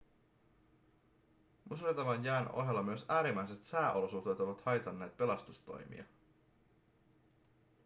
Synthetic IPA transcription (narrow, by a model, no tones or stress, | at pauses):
musret̪ɑʋɑnjæːno̞̰ɦelːɑmyøsæːɾimæjset̪sæːʔolo̞suxt̪e̞ːt̪oʋɑt̪hɑjt̪ɑnːe̞ːt̪̚pe̞lɑst̪ust̪o̞̰jmḭɑ̰